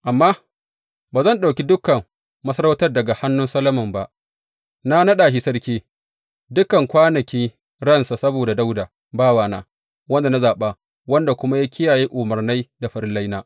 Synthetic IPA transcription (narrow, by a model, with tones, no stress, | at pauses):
ʔa˨mːaː˦ | baː˨zɐ˦˨nɗa˨wkʲi˦dʊ˦kɐ˨mː | ɐ˦sɐ˦ɾa˦wtɐ˦rdɐ˨ɡa˨ha˦nːʊ˦nsɐ˦lɐ˦mɐ˨mba˨ʔ | na˦nɐ˦ɗaː˨ʃi˦sɐ˦ɽkʲiː˦ | dʊ˦kɐ˨ŋkʷaː˦nɐ˨kʲiː˦ | ɽɐ˦nsa˨sɐ˦boː˨da˨da˦wdaː˨ | baː˦waː˨na̰ː˦ | wɐ˦nda˨na˦zaː˨ɓaː˦ | wɐ˦nda˨kʷʊ˦ma˦ja˦kʲɪ˦jaː˨jeː˦ʔʊ˨mɐ˨rna˦jda˨ɸɐ˦ɾɪ˦lːa˦jnaː˦